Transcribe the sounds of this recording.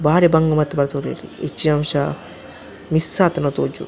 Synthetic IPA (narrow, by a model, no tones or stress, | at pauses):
baːɾebɐŋɡɐmɐt̪ːɐbɐɾt̪oɾḛːɾḭet͡ʃːinɐmʃa | misːaːt̪ɐnot̪oːd͡ʒṵ